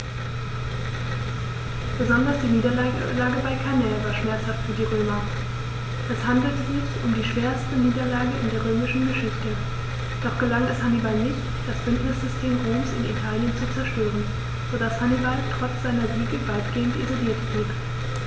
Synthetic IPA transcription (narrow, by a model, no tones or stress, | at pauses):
b̥əzɔndɐsd̥iːniːdɐlaəlaːɡəbaɪkʰanɛːlvaːɐʃmɛɐt͡shaftfyːɐdiːʁøːmɐ | ʔɛshandl̩tziːçʊmdiːʃv̥eːɐstəniːdɐlaːɡəɪ̰ndeːɐʁ̞øːmɪʃn̩ɡəʃɪçtə | d̥ɔχɡ̥əlaŋɛshanibalnɪçt | d̥asb̥ʏntnɪsz̥ʏstʰeːmʁoːmsɪ̰nḭtʰaːljənt͡sut͡sɛɐʃtøːʁən | z̥oːdashanibaltʁ̥ɔt͡sz̥aɪnɐziːɡəvaɪtɡ̥eːəntḭzoliːɐtb̥liːp